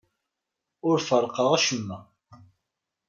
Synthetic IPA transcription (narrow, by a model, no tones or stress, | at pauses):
ʊɾfəɾˤqəʁæʃəmːæ